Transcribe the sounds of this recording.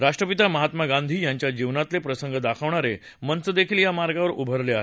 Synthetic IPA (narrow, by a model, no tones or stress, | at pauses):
ɾaʂʈɾəpit̪aməɦat̪maɡand̪ʱiːjaɲt͡ɕjad͡ʑiʋnat̪lepɾəsəŋɡəd̪akʰəʋɳ̃aɾe | mənt͡səd̪ekʰiːljamaɾɡaʋəɾubʱəɾleaɦe